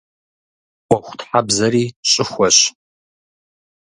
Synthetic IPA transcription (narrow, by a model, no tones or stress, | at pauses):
ʔʷʼɔxʷʊtħabzɐɾiːɕʼɪxʷɔɕ